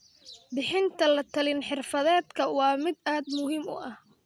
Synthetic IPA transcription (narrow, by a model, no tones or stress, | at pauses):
bɪħɪnt̪ʰɐlɐt̪ʰɐlɪnħɪrfɐðɛːd̪kʰɐwɑːmɪd̪aːd̪mʊhiːmʊ̰ʔɐh